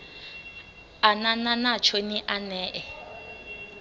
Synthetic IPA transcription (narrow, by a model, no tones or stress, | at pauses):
anananat͡ʃʰoniʔanɛːʔɛ